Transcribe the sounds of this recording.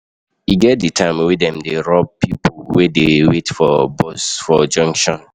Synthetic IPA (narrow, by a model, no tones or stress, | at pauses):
iɡɛt̚ditʰãɪmwedɛ̃mdeɹɔb̚pipowedewetfɔbɔsfɔd͡ʒɔ̃ŋkʃɔ̃n